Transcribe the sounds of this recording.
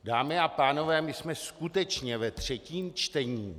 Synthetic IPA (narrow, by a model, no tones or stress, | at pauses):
daːmɪapaːno̞vɛːmɪsmɛskut̪ɛt͡ʃɲɛvɛt̪r̝̥ɛciːmt͡ʃt̪ɛɲiː